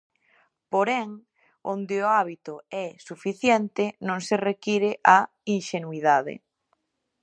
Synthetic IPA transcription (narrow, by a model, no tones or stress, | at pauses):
poɾɛŋ | ond̪ɪoaβit̪ʊɛsufiθjɛnt̪ɪnõŋserekiɾɪʔa | iŋʃenwiðaðɪ̰